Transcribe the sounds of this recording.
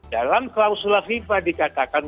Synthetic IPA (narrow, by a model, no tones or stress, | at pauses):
dalamklawsulafifadikat̪akan